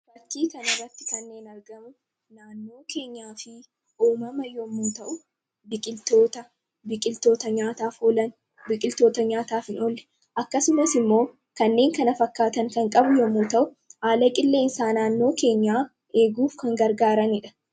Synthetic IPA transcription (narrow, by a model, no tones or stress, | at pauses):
fɐkːiːkɐnɐrːɐt̪ːɪkɐnːe̞ːnɐɾɡɐmʊ | naːnːo̞ːkeːɲːaːfɪ | ʔuːmɐmɐjɔmːuːt̪ɐʔʊ | bɪkʼɪlt̪oːt̪ɐ | bɪkʼɪlt̪o̞ːt̪ɐɲaːt̪aːfoːlɐn | bɪkʼɪlt̪o̞ːt̪ɐɲaːt̪aːfɪnɔlːɛ̥ | ʔɐkːɐsʊmɐsɪmːo̞ː | kɐnːe̞ːŋkɐnɐfɐkːaːt̪ɐŋkɐŋkʼɐbʊjɔmːuːt̪ɐʔʊ | haːlɐkʼɪlːe̞ːnsaːnaːnːo̞ːke̞ːɲːaː | ʔe̞ːɡuːfkɐŋɡɐɾɡaːɾɐnɪᶑɐ̥